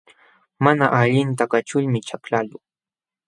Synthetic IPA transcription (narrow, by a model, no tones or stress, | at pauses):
manaʔaʎɪnt̪akat͡ʃʊʎmɪt͡ʃaklalʊ